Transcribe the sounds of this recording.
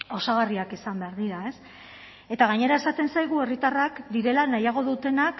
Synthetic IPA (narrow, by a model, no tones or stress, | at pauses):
o̞saɣariakisambe̞aɾðiɾae̞s | e̞t̪aɣ̞aɲe̞ɾae̞sat̪e̞nsajɣ̞ue̞rit̪arakd̪iɾe̞lanajaɣ̞o̞ðut̪e̞nak